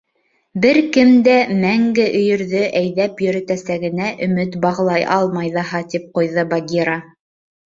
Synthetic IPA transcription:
bɘɾkɘmd̪æmæŋɡɘʔɵ̆jɵ̆ɾðɵʔæjðæpjɵ̆ɾɘ̆t̪æsæɡɘ̆næʔɵ̆mɘt̪bɑʁlˠɑjʔɑlˠmɑjðɑɦɑt̪ip̚qŏjðɤbaɡʲiɾa

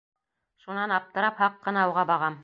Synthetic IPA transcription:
ʃunɑnɑp̚t̪ɤ̆ɾɑphɑqːɤ̆nɑŏwʁɑbɑʁɑm

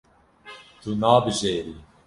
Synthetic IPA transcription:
t̪unaːbɨʒeːɾiː

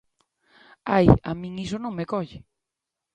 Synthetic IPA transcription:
aja̰mĩŋisonõŋmekɔʎɪ

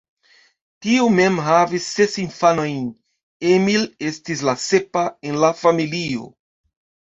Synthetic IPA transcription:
tiume̞mɦavisːe̞sinfano̞jn | emile̞stis̬lasepae̞nlafamilio̞̰

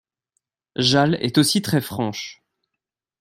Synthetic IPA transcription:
ʒalɛ̰t̪osit̪χɛfχɑ̃ʃ

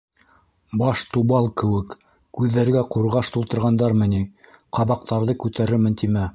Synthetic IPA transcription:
bɑʃt̪uβɑlˠkɘ̆wɘk | kʉðːæɾɡæquɾʁɑʃt̪ulˠt̪ɤ̆ɾʁɑnd̪ɑɾmɤ̆niqɑβɑq̚t̪ɑɾðɤkʉt̪æɾɘmɘ̆nt̪imæ

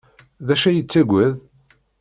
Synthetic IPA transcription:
ðæʃæjət͡sːæɡʷæð

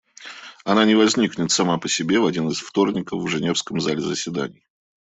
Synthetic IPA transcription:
ɐnanʲɪvɐzʲnʲiknʲɪt̪sɐmapəsʲɪbʲe̞vɐdʲinɨsft̪o̞rnʲɪkəfvʐɨnʲe̞fskəmzalʲɪzəsʲvʲɪd̪a̰nʲɪj

